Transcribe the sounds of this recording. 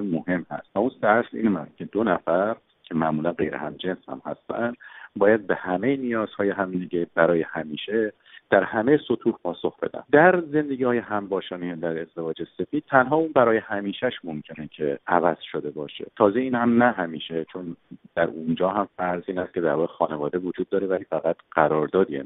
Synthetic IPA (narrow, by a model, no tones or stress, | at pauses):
emohe̞mhæ̰st̪væunsæɾsḭːnmæs̚cʰe̞d̪onæfæɾ | cʰe̞mæʔmuːlænɢe̞̰jɾḛhæmd͡ʒe̞nshæ̰mhæ̰st̪ʰænd̪bɒːjæd̪̚be̞hæmejenijɒːz̥hɒːjeɦæmneɟebæɾɒːjehæmiːʃe | d̪̥æɾhæmejeso̞t̪ʰuːhpʰɒːso̞xb̥e̞̰d̪æ̰mnd̪æɾze̞nd̪e̞ɡiːhɒːjeɦæmbɒːʃɒːniːed̪æɾe̞zd̪e̞vɒːd͡ʒe̞se̞fiːd̪̥̚t̪ʰænɦɒːuːnbæɾɒːjehæmiːʃæʃmo̞mcʰe̞necʰe̞ʔævæz̥ʃod̪e̞bɒːʃe̞̰t̪ʰɒːzeiːnhæmnæɦæmiːʃet͡ʃʰo̞nd̪̥æɾund͡ʒɒːɦæmfæɾziːnhæst̪̚cʰe̞d̪æɾbɒɾxɒːnevɒːd̪e̞vod͡ʒuːd̪̚ːɒːɾevæliːfæɣæt̪ʰɢ̥æɾɒːɾd̪ɒːd̪iḛ